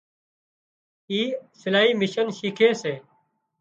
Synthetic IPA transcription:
iːsɪlaːiːmɪʃənʃiːkʰeːseː

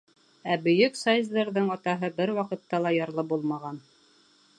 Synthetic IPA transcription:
æbɵ̆jɵksɑjzd̪ɤ̆ɾðɤɴɑt̪ɑɦɤbɘɾwɑqɤ̆t̪ːɑlˠɑjɑɾlˠɤpbulˠmɑʁɑn

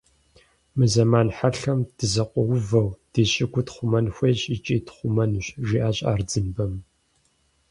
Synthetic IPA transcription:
mɨzɐmaːnħaɬɐmd̥ɨzɐqʷʼɔwʊvɐwd̥eːɕʼɪɡʷʊtχʷʊmɐnxʷeːɕʼit͡ʃʼiːtχʷʊmɐnɕʼʒiʔaːɕʼa̰ːrd͡zɨmbɐm

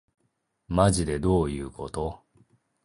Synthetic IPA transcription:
maʑid̪e̞d̪o̞ːjɯ̟ːkʰo̞t̪o̞

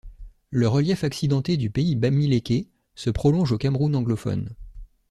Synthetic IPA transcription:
ləʁəljɛfaksid̪ɑ̃t̪ed̪ypeibamilekʲe | səpχɔlɔ̃ʒokamʁunɑ̃ɡlɔfɔ̰n

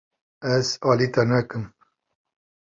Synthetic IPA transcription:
ɛzɑːlit̪ɐnɛkɨm

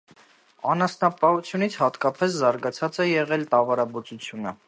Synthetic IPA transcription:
ɑnɑsnɑpɑut͡sʰjunit͡sʰhɑt̪kɑpɛs̬zɑɾɡɑt͡sʰɑt͡sɛjɛʁɛlt̪ɑvɑɾɑbɔt͡sut͡sʰjunə

